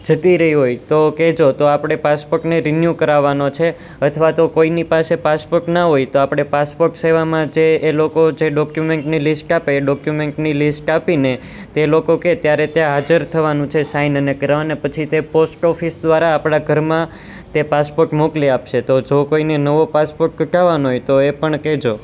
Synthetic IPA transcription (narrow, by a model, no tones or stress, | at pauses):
d͡ʒət̪iɾəɦiɦojt̪oked͡ʒot̪oapɽ̃epaspoɾʈneɾinjukəɾaʋanot͡ʃʰe | ət̪ʰʋat̪okoinipasepaspoɾʈnaɦojt̪oapɽ̃epaspoɾʈseʋamãd͡ʒeːlokod͡ʒeɖɔkjumeɳʈnilisʈapeːɖɔkjumeɳʈnilisʈapine | t̪elokoket̪jaɾet̪jãɦad͡ʒəɾt̪ʰəʋanũt͡ʃʰesainənekəɾaʋanepət͡ʃʰit̪eposʈɔfisd̪ʋaɾaːpɽaɡʱəɾmã | t̪epaspoɾʈmokliapʃet̪od͡ʒokoinenəʋopaspoɾʈkəʈaʋanoɦojt̪oepəɳked͡ʒo